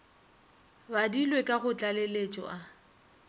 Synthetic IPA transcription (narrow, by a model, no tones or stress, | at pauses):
badilwekʼaɣʊt͡ɬʼalelet͡ʃʼɔ̰ʔa